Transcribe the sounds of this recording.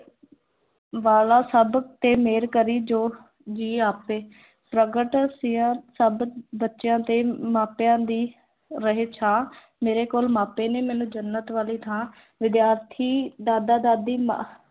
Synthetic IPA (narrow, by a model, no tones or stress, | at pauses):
ʋaːlaːsəbt̪eːmeːɾkəɾiːd͡ʒoː | d͡ʒiːaːpeː | pɾəɡəʈsɪjãːsəbbətːʃjãːt̪eːmaːpjãːd̪iː | ɾəɦeːt͡ʃʰãː | meːɾeːkoːlmaːpeːneːmɛːnũːd͡ʒənːət̪ʋaːliːt̪ʰãː | ʋɪd̪jaːɾt̪ʰiːd̪aːd̪aːd̪aːd̪iːm